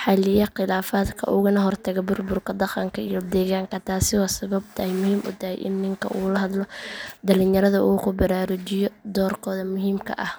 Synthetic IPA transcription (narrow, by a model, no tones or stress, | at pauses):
ħɑlɪjɐqɪlaːfaːd̪kʰɐ̰ʔʊɣʊnɐɦɔrt̪ʰɐɣɛbʊrbʊrkʰɐd̪ɑqɑŋkʰɐijɔd̪ɛːɣaːŋkʰɐt̪ʰaːsɪwaːsɐβɐb̚t̪ʰɐhɛjmʊhiːmʔʊ̰t̪ʰɐhɛ̰jʔɪ̰nːɪŋkʰɐ̰ʔuːlɐɦɐd̪lɔd̪ɐlɪnjɐɾɐðɐʔuːkʰʊbɐɾaːɾʊt͡ʃɪjɔd̪ɔːrkʰɔːðɐmʊɦiːmkʰɐ̰ʔɐh